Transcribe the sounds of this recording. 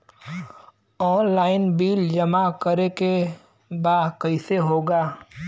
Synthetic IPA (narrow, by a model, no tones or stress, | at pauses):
ɔːnlaːɪnbiːld͡ʒɐmakəɾeke | baːkəɪseɦoːɡaː